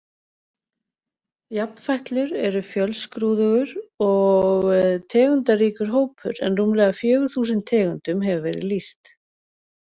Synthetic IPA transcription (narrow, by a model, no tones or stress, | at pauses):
jap̚n̥fajht̪lʏɾɛɾʏfjœlskɾuːðʏɣʏɾɔɣt̪ʰɛːɣʏnt̪ariːkʏɾ̥ɦoːwpʰʏ̰ɾɛ̰nruːmlɛːɣafjœːɣʏɾθuːsɪnt̪ʰːɛːɣʏnt̪ʏmɦɛvʏvɛːɾɪ̰ðlist̪